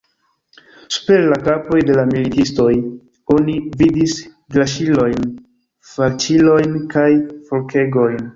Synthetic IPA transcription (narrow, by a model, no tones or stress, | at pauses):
su̥pe̞ɾlakapo̞jde̞lamilitisto̞j | o̞nividis | ɡlaʃilo̞jn | fat͡ʃilo̞jnkajfolke̞ɡo̞jn